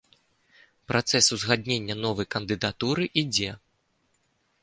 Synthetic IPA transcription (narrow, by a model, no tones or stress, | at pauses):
pɾʔat̪sɛsuzɣad̪ʲnʲenʲːɐnɔvɐjkɐnd̪ɨd̪at̪uɾɨʔid͡zʲɛ